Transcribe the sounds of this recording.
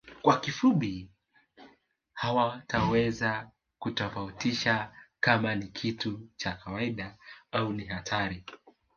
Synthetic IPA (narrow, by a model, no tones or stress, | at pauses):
kwakifuɓi | hawatawɛza | kutɔfautiʃakamanikʰitut͡ʃakawaiɗaauniɦatʰaɾi